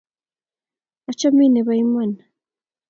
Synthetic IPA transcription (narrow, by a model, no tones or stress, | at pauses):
at͡ʃamineβajman